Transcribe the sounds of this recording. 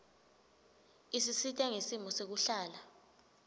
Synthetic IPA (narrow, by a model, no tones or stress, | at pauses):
isisitʼɛŋesimɔsek̬uɬaːla